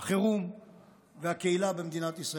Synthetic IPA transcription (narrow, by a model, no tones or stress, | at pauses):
χeʁum | veakeilabemd̪inat̪isʁa